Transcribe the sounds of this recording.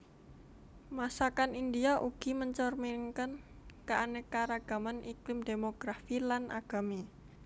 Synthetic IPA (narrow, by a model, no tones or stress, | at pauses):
masakanind̪iaʔuɡ̥i̤məɲt͡ʃɔrmiŋkən | kaʔanekaɾaɡ̥a̤manʔiklɪmd̪e̤moɡ̥ɾafilanʔa̰ɡ̥a̤mi